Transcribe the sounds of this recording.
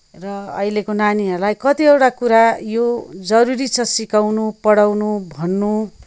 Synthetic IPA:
rʌʌ̰ilekonaniɦʌɾulajkʌt̪iewʈakuɾajod͡zʌɾuɾit͡sʰʌsikawnupʌɽawnubʱʌnːu

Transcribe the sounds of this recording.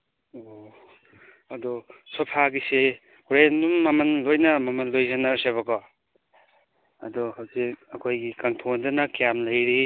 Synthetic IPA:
o | ɐdɔsopʰaɡise | uɾenumːɐmɐnlojnɐmɐmɐnlojzanɐɾseβaɡɔ | ɐ̰dɔhawzik̚ɐkʰojɡikaŋtʰondɐnɐkjamlɐjɾi

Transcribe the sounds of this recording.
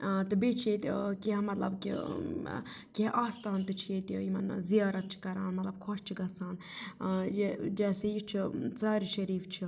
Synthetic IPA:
t̪ɨbet͡ʃʰet̪ikiɦɐmɐt̪lɐ̰bkḭ | kiʔaːst̪aːnt̪ɨt͡ʃʰet̪iimɐ̰nzijaːɾɐt̪̚t͡ʃʰi̥kɐɾa̰ːnmɐt̪lɐb̚kʰoʃt͡ʃʰiɡɐsaːn | d͡ʒɛːsejit͡ʃʰit͡saːɾiʃɐɾiːft͡ʃʰi

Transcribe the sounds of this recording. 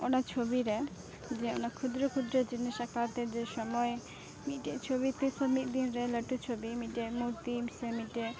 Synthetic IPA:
onat͡ʃʰobiɾe | d͡ʒeo̰nakʰud̪ɾokʰud̪ɾod͡ʒiniʃakpaɾt̪eɾd͡ʒeʃɔmɔje | miʈet͡ʃʰobit̪isɔmit̪d̪inɾeləʈːut͡ʃʰobimiʈemuɾt̪imsemiʈe

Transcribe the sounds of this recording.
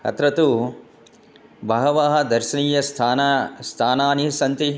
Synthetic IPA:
ɐ̰t̪ɾɐt̪u | bʱɐɦɐʋaːɦɐ̆d̪ɐɾʃɐniːjɐst̪ʰːnst̪ʰaːnaːnisɐnt̪i

